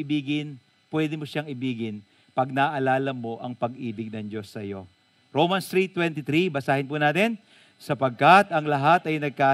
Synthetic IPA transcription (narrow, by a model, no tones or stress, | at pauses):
ɪbiːɡɪn | pwɛːd̪ɪmoʃaŋɪbiːɡɪn | pɐɡ̚nɐʔɐlaːlɐmo̞ʔɐŋpɐɡʔiːbɪɡ̚nɐŋd͡ʒo̞sːɐjo̞ | ɾowmɐnst̪ɾit̪wɛnt̪ɪt̪ɾibɐsaːhɪnpunaːt̪ɪn | sɐpɐɡ̚kɐt̪ɐŋlɐɦat̪ɐjnɐɡ̚kaː